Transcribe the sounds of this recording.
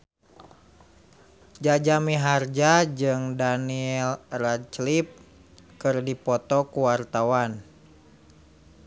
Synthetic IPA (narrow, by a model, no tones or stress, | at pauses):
d͡ʒad͡ʒamiɦard͡ʒad͡ʒɨŋdaniɛlrat͡ʃlip̚ | kɨrdipɔt̪ɔkuwart̪awan